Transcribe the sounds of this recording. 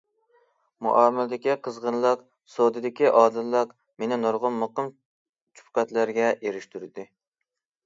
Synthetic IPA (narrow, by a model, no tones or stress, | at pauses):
mṵʔɑːmɪlɪd̪ɪkʲiqʰəzʁənlˠɑq | sod̪ɨd̪ɪkʲiʔɑːd̪ɨlˠːɑq | menɪnoɾʁʊnːəqəm | t͡ʃʰu̥p̚qɛt̪læɾɡʲɛeɾɪʃt̪yɾɪd̪ɪ